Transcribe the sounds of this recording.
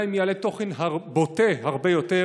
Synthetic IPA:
jmjalet̪ːo̞χenɦaʁboteɦaʁbejote

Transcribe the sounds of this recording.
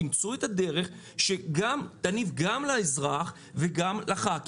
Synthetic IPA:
imt͡suet̪ad̪e̞ʁe̞χ | ʃe̞ɡamt̪anivɡamlaezʁaχ | veɡamlaχak

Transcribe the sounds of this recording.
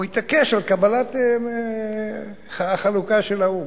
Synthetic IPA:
it̪akeʃalkabalat̪ | χalukaʃelau

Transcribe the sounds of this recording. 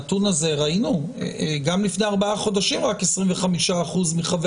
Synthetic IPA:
tunaze̞ʁainuḛɡamlifne̞aʁbaaχo̞daʃimʁake̞sʁiɱveχamiʃaːχuzmiχav

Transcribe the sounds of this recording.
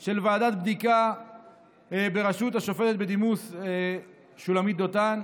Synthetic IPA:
ʃe̞lvaːdat̪̚bd̪ika | be̞ʁaʃuthaʃo̞fetet̪̚bed̪imus | ʃulamit̪̚d̪otan

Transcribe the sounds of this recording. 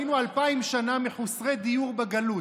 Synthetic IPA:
inualpaimʃanamiħusʁejd̪ijuʁbeɡalu

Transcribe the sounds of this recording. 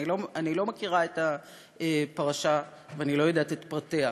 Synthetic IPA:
iloanilo̞makiʁaeta | epaʁaʃa | veanilo̞jodaːtetpʁatea

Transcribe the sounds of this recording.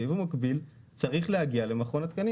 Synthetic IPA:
ivumakbil | t͡saʁiχlehaɡiale̞maχo̞nat̪kani

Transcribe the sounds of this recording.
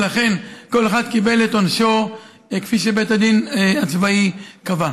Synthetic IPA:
laχe̞nko̞leχad̪kibelet̪onʃo | kfiʃebet̪ad̪inat͡svaikava

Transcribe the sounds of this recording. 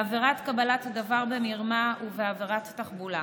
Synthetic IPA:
aveʁatkabalathadavaʁbemiʁmauveaveʁatːaχbula

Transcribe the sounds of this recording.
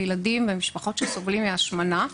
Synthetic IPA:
jladimvemiʃpaχo̞tʃesovlimeaʃmana

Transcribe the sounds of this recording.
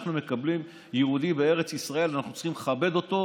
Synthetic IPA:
χnume̞kablim | jeud̪ibee̞ʁe̞t͡sisʁae̞lanaχnut͡si̥χimeχabe̞d̪o̞t̪o̞

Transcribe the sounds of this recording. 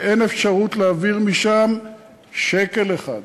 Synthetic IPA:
ene̞fʃaʁutleaviʁmiʃam | ʃe̞ke̞leχa̰d̪

